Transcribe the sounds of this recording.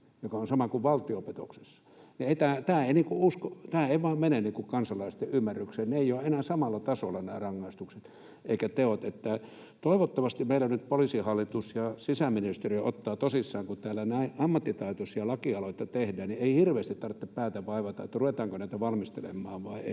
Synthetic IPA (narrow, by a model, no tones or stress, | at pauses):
jokɑonsɑmɑkuʋʋɑlt̪iopet̪o̰kse̥sːɑ̥nieit̪æːt̪æːeiniːkuuskot̪æːeiʋɑːmmeneniːŋkukɑnsɑlɑist̪eʔymːærːykseːnneeˑijoenæːsɑmɑlːɑt̪ɑsolːɑnæ̰ːrɑŋːɑist̪ukset̪ | ʔeikæt̪eot̪et̪ːæ | t̪oˑiʋot̪ːɑʋɑst̪imeilænnyt̪̚polisihɑlːit̪usjɑsisæminist̪eriot̪ːɑːt̪osisːɑːŋkut̪æːlːænæiʔɑmːɑt̪ːit̪ɑˑit̪osjɑlɑkiɑloit̪ːɑt̪ehdæːnnieihirʋeˑːst̪it̪ɑrt̪ːeppæːt̪æʋɑiʋɑt̪ɑḛt̪ːruʋet̪ɑːŋkonæˑit̪æʋɑlmist̪elḛmːˑɑːʋʋɑiḛi